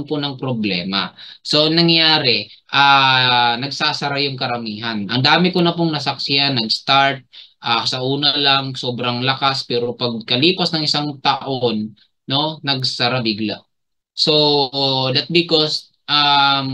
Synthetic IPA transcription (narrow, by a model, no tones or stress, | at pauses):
nponɐŋpɾoblɛ̰ːma̰so̞nɐŋjaːɾɛʔaːnɐɡsaːsɐɾajʊŋkɐɾɐmiːɦanʔɐ̰ŋd̪aːmɪkonɐpoŋnɐsɐk̚sɪanːɐɡst̪aɹt̪̚ʔasɐʔuːnɐlaŋso̞ːbɾɐŋlɐkaspɛːɾo̞pɐɡ̚kɐliːpɐsnɐŋɪsaŋt̪ɐʔonː | o̞nɐɡsaɾabɪɡla̰ʔ | so̞d̪ɐt̪̚bɪkos | ʔam